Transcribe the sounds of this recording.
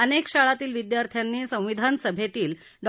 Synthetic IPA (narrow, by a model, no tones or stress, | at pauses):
ənekɕaɭat̪iːlʋid̪jaɾt̪ʰjanːiːsə̃w̃ʋid̪ʱansəbʱet̪iːl | ɖ